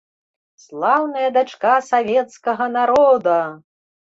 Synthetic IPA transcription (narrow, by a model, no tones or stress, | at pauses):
slˠawnɐjɐd̪at͡ʂkasavʲɛt̪skɐɣɐnaɾɔd̪ɐ